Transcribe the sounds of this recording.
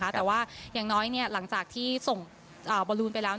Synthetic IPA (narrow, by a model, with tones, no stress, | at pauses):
a˦˥t̪ɛː˨˩waː˥˩jaː˨˩ŋnɔː˦˥jni˥˩ɐla˩˦ŋt͡ɕaː˨˩k̚t̪ʰiː˥˩so˨˩ŋ | ʔəː˨˩bɔː˧luː˧npa˧jlɛː˦˥w